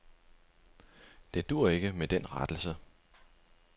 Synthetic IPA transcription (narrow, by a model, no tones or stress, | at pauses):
d̥e̝d̥uːɐ̰e̝ɡ̥əmed̥en̰ʁad̥l̩sə